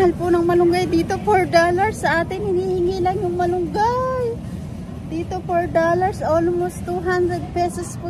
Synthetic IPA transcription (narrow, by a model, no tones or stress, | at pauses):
ɐlpʊnɐŋmɐlʊŋɡajd̪iːt̪o̞foɹd̪oːlɐɹsːɐʔaːt̪ɪŋhɪniːhɪŋiːlɐŋjʊŋmɐlʊŋɡaj | d̪iːt̪o̞foɹd̪oːlɐɹsʔolmost̪uɦand̪ɾɛd̪̚pɛsospu